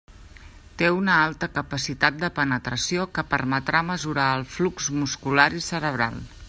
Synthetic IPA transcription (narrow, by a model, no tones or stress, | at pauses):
t̪eunəalˠt̪əkəpəsit̪at̪̚d̪əpənət̪ɾəsiokəpərmət̪ɾaməzuɾaəlˠflukzmuskulaɾisəɾəβ̞ɾa̰lˠ